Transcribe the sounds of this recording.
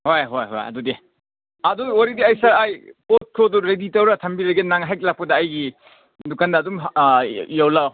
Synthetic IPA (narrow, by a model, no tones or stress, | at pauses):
hojɦojɦo̰jɐ̰dudi | ɐduwaɾidiajsaɾajpot̚kʰoduɾeditɐwɾatʰɐmbiɾɐɡenaŋɦajk̚lak̚pɐdɐːjɡi | dukandɐːdum | jawlaw